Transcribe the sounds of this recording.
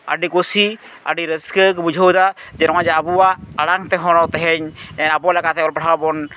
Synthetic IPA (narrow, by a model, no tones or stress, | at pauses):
a̰ɖikosi | a̰ɖiɾəskəkbud͡ʒʱəwd̪ad͡ʒɛɾɔŋad͡ʒɛabuwaːɽaŋt̪ɛɦɔɽ̃ɔt̪ɛɦɛɲɛnabɔlɛkat̪ɛɔlpɔɽabɔn